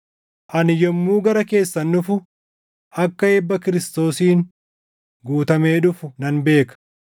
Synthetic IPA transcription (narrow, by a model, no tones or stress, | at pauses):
ʔɐnɪjɔmːuːɡɐɾɐke̞ːsːɐnːʊfʊ | ʔɐkːɐɛbːɐkɪɾɪst̪o̞ːsiːn | ɡuːt̪ɐme̞ːᶑʊfʊnɐnbe̞ːkɐ̥